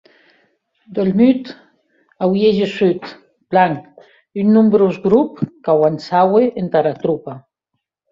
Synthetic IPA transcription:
d̪elmyt̪ | awjeʒesyt̪ | b̥laŋk | ynːumbɾozɡɾupkawansaweʔent̪aɾat̪ɾupa

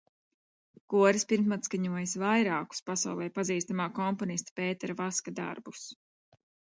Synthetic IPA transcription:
kuɔɾispiɾmt̪mat̪skaɲuɔjasvajɾaːku̥spasa̰wlˠɛjpaziːst̪amaːkɔmpɔnist̪ḁpɛːt̪ɛɾavaskad̪a̰ɾbus

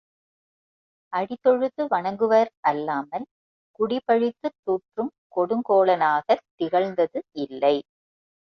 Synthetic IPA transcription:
ʔɐɽɪt̪ːɔɻɯðɯʋɐɳɐŋɡɯʋɐɾɐlːaːmɐl | kʊɽɪpɐɻɪt̪ːɯt̪ːuːʈrɯm | kɔɽɯŋkoːɭɐnaːɣɐt̪ːɪɣɐɭnd̪ɐðɯɪlːɐɪ

